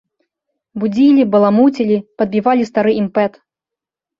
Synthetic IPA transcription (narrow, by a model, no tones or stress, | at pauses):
bud͡zʲilʲibɐlˠamut͡sʲilʲipɐd̪̚bʲivalʲist̪aɾɨimpɛt̪